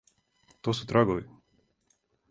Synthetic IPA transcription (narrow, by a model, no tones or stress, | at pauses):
t̪osut̪ɾaɡoʋi